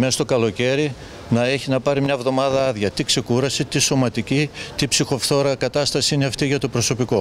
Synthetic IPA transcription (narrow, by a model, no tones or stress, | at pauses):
mest̪o̞kɐlo̞ce̞ɾi | nɐe̞çinɐpɐɾimɲɐvðo̞mɐðɐɐðʝɐt̪ikse̞kuɾɐsit̪iso̞mɐt̪icit̪ipsixo̞fθo̞ɾɐkɐt̪ɐst̪ɐsiineɐft̪iʝɐt̪o̞pɾo̞so̞piko̞